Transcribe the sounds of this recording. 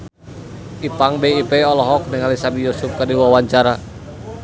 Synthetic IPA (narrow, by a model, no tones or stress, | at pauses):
ipaŋbɛipɛɔlɔɦɔk̚nɛŋalisabijɔsufkadiwawaɲt͡ʃaɾa